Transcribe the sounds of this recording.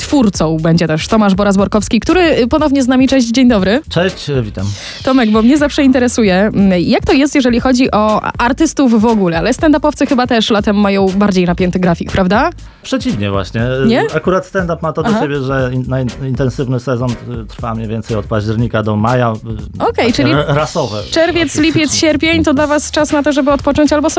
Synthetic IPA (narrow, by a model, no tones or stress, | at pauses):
t̪fuɾt̪sɔ̃w̃bɛɲd͡ʑɛt̪ɛʂt̪ɔmaʐbɔɾazbɔɾkɔfskʲikt̪uɾɘpɔnɔvɲɛznamʲit͡ʂɛʑd͡ʑd͡ʑeɲd̪ɔbɾɘt͡ʂɛɕt͡ɕvʲit̪am | t̪ɔmɛɡbɔmɲɛzafʂɛint̪ɛɾɛsujɛjakt̪ɔjɛst̪jɛʐɛlʲixɔd͡ʑiʔɔaɾt̪ɘst̪uvːɔɡulɛalɛst̪ɛnd̪apɔfsɘxɘbat̪ɛʂlat̪ɛmːajɔ̃w̃baɾd͡ʑejnapʲjɛnt̪ɨɡɾafʲikpɾavd̪a | pʂɛt͡ɕivɲɛvwa̰ɕɲɛɲɛakuɾat̪st̪ɛnd̪apmat̪ɔd̪lat͡ɕebʲjɛʐɛnajint̪ɛnsɘvnɘsɛzɔnt̪ɾfamɲɛvʲɛnsɛjɔt̪̚paʑd͡ʑɛɾɲikad̪ɔmajaɔkɛjt͡ʂɨlʲiɾasɔvɛ̰t͡ʂɛɾvʲjɛt̪slʲipʲjɛt̪sɕɛɾpʲjeɲt̪ɔd̪lavast͡ʂasnat̪ɔʐɛbɘɔt̪̚pɔt͡ʂɔɲt͡ɕalbɔsɔ